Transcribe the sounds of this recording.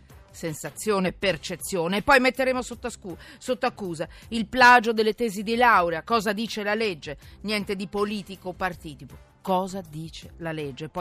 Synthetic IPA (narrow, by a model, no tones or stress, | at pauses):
sensat̪sːjoːnepːert͡ʃet̪sːjoːneːpːɔjmet̪ːeɾeːmosot̪ːaskusot̪ːoakːuːzailplaːd͡ʒod̪elːet̪eːzid̪ilawɾeakɔːzad̪iːt͡ʃelaled͡ʒːenjɛnt̪ed̪ipoliːt̪ikopart̪iːt̪ipo | kɔːzad̪iːt͡ʃelaled͡ʒːepɔ